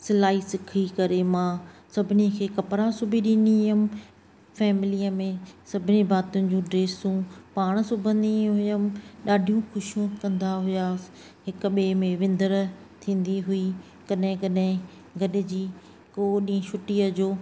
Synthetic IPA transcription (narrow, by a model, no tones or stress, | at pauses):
sɪlaːɦisɪkʰikɐɾemãːsɐbʱɪnikʰeːkɐpɾasʊbʱiɗĩniɦʊm | fɛːmɪlijəmẽsɐbʱɪnibaːt̪ʊnɪ̆d͡ʑũːɖɾeːsũːpaːɽ̃sʊbʱə̃nd̪iɦʊjəmɗaːɖʱijũxʊʃijũkɐ̃nd̪aɦʊjaːs | ɦɪkɓeːmẽʋɪ̃nd̪əɾ | t̪ʰĩːn̆d̪iɦʊi | kɐɗɦɪ̃kɐɗɦɪ̃ | ɡɐɗɪ̆d͡ʑiː | koːɗĩːʃʰʊʈiːəd͡ʑoː